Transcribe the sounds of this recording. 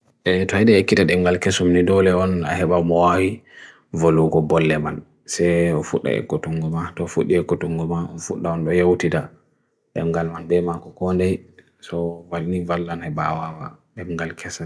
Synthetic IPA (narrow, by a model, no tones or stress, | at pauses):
ʔɛtɔɛɗɛekːitaɗɛmɡalkesumnidɔlɛɔna̰hɛɓamɔwawi | voluɡɔbɔlːɛman | sɛjɔfuɗːa̰ɛ̰kːotuŋɡɔmatɔfuɗːiɛkːotuŋɡumaɔnfuɗːaɔnɗɔjawtita | ɗɛ̰mɡalmanbɛmakɔkɔndɛj | sɔvalnivalːanhɛba̰wawa | ɗɛmɡalkʰɛsa